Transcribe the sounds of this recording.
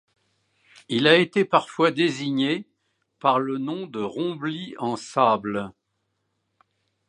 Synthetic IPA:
ilaet̪epaʁfwad̪eziɲe | paʁlənɔ̃d̪əʁɔ̃bliɑ̃sabl

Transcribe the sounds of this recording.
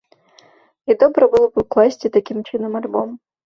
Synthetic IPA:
id̪ɔbɾəbɨlˠɔbɨklˠasʲtʲɪt̪ɐkʲimt͡ʃɨnəmɐlʲbɔm

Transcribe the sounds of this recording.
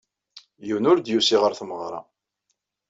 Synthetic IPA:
jəwnʊɾd̪jusiʁəɾθməʁɾˤɑ̰

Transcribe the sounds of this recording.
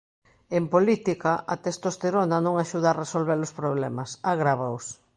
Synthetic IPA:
empolit̪ikaʔat̪est̪ost̪eɾonanõŋaʃuð̞aːresolβeɾʊspɾoβlemasaɣɾaβaʊs

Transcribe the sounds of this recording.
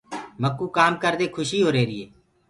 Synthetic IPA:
məkːuːkaːmkəɾd̪eːkʰʊʃiːɦoːɾeːɾɪːeː

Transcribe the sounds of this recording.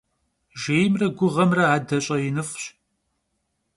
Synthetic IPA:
ʒeːjmrɐɡʷʊʁɐmrɐaːdɐɕʼɐjɪnɨfʷɕ

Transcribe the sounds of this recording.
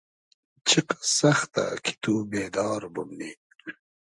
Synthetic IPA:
t͡ɕʰiqsɐxt̪a̰kʰi̥t̪uːbeːd̪ɑːɾbumniː

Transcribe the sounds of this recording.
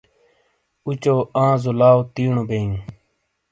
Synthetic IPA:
ut͡ʃoːãːzolaːot̪iːɳõːbeːũː

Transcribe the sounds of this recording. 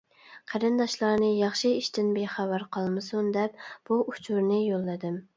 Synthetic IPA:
qʰæɾɨnd̪ɑʃlˠɑɾnɨjɑχʃiiʃt̪ɪnbeχæwɑɾqʰɑlˠmɨsund̪ɛpb̥uʔut͡ʃʰuɾnɪjolˠːɨd̪ɪm

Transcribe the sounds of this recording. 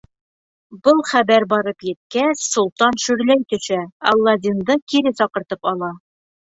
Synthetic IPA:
bɤlˠχæbæɾbɒɾɤpjɘ̆t̪̚kæɕsulˠt̪ɑnʃɵ̆ɾlæjt̪ɵ̆ʃæɒ̰lˠːɑd̪ʲind̪ɤkiɾɘsɒqɤ̆ɾt̪ɤpɒlˠɑ

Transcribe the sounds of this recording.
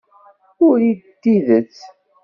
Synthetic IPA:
ʊɾidt̪ːiðət͡sː

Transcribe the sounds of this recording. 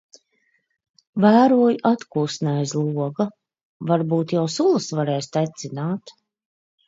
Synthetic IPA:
væːɾuɔjuʔat̪kuːsnajzlˠuɔɡa | vaɾbuːt̪jawsulˠɨsvaɾɛːst̪ajt̪sinaːt̪

